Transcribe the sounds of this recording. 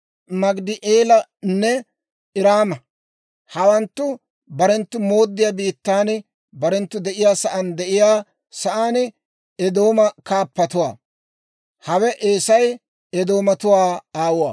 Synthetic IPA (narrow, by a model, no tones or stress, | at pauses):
mɐɡd̪ɪʔeːlɐnːɛ | ɪɾaːmɐ | hɐwɐnt̪ːʊ | bɐɾɛnt̪ːʊmo̞ːd̪ːɪjaːbiːt̪ːaːn | bɐɾɛnt̪ːʊd̪ɛʔɪjaːsɐʔɐnd̪ɛʔɪjaː | sɐʔaːn | ɛd̪o̞ːmɐkaːpːɐt̪ʊwaː | hɐwɛʔeːsɐj | ɛd̪o̞ːmɐt̪ʊwaːaːwʊwa̰ː